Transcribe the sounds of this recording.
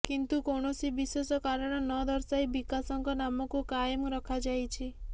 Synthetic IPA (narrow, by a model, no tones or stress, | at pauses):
kint̪ukɔɳ̃ɔsibiswesɔkaɾɔɽ̃ɔnɔd̪ɔɾsajbikasɔŋkɔnamɔkukajmɔɾɔkʰad͡ʒajt͡ʃʰi